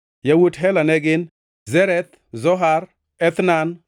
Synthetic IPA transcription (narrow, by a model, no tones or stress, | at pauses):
jawutɦɛlanɛɡɪn | zɛɾɛt̪ | zɔɦaɾ | ɛt̪nan